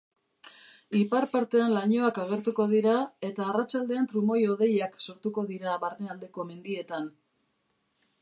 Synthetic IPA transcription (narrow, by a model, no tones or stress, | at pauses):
ipaɾpaɾt̪e̞anlaɲo̞akaɣ̞e̞ɾt̪uko̞ð̞iɾae̞t̪aːrat͡ʃald̪e̞ant̪ɾumo̞jo̞ð̞e̞jakso̞ɾt̪uko̞ðiɾaβarneald̪e̞ko̞me̞nd̪ie̞t̪an